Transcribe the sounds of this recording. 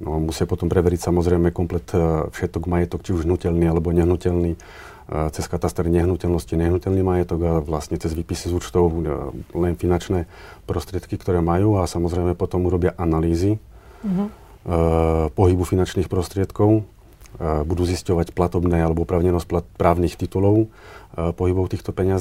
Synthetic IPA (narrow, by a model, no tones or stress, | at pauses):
nɔmusɪapɔt̪ɔmpɾɛʋɛɾicsamɔzɾɛjmɛkɔmplɛt̪fʃɛt̪ɔɡmajɛt̪ɔkt͡ʃiuʒɦnucɛlniːalɛbɔɲɛɦnucɛlniː | t͡sɛskat̪ast̪ɛɾiɲɛɦnucɛlnɔsciɲɛɦnucɛlnimajɛt̪ɔɡaʋlast̪ɲɛt͡sɛzʋiːpisizuːt͡ʃt̪ɔʊlɛnfinant͡ʃnɛː | pɾɔst̪ɾɪɛt̪kikt̪ɔɾɛːmajuːasamɔzɾɛɪmɛpɔt̪ɔmuɾɔbɪaʔanaliːzi | pɔɦibufinant͡ʃniːxpɾɔst̪ɾɪɛt̪kɔʊ | bud̪uːziscɔʋacplat̪ɔbnɛːalɛbɔɔpɾaːʊɲɛnɔscplapɾaːʊniːxt̪it̪ulɔʊ | pɔɦibɔʊt̪iːxt̪ɔpɛɲɪaz